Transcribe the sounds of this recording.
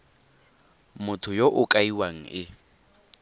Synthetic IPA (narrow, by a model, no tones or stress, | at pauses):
mʊtʰʊjoʔʊkʼaiwaŋ̩ɪ